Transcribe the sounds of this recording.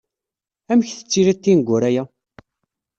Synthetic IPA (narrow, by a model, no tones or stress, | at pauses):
æmçθə̥t͡sːiɾæt̪ːinɡʷːʊɾæjæ